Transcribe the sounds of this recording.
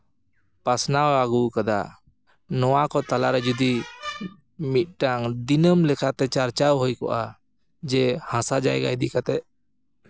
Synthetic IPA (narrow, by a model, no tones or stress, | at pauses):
pasnawaɡukad̪a̰ | nɔwakɔt̪alaɾɛd͡ʒud̪i | mit̪̚ˀʈaŋd̪inəmlɛkʰat̪ɛt͡ʃaɾt͡ʃawɦɔjkɔ̰ʔa | d͡ʒɛhãsad͡ʒa̰jɡa̰id̪ikat̪ɛʔ̪̚